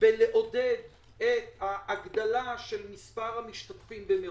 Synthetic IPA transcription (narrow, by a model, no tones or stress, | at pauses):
veleʔo̞ded̪ | et̪haʔːɡd̪alaʃe̞lmispaʁhamiʃt̪at̪fimbeme